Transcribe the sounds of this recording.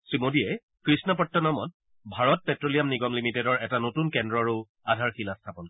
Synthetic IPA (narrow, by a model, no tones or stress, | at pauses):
sɹimodiɛ | kɹisnɔpɔtːɔnɔmɔt̚ | bʱaɹɔt̚pɛtɹolijamniɡɔmlimitɛdɔɹɛtanotunkɛndɹɔaɹu | adʱaɹxilastʰapɔn